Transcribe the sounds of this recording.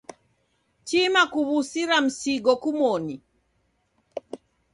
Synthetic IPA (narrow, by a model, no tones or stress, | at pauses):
t͡ʃimakuβusiɾam̩siɡɔkumɔni